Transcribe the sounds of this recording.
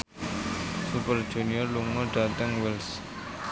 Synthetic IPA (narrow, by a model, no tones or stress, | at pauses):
supərd̥d͡ʒ̥uniɔrluŋɔɖ̥a̤t̪əŋwɪls